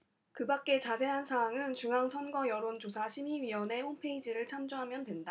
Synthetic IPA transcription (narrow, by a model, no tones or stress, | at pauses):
kɯbak̚k͈e̞t͡ɕasʰe̞ɦansʰaːŋɯnt͡ɕuŋɦaŋsʰʌnɡʌjʌɾont͡ɕosʰaɕʰimiɥiwʌne̞honpʰe̞id͡ʑiɾɯɭt͡ɕʰamd͡ʑoɦamjʌndwe̞nda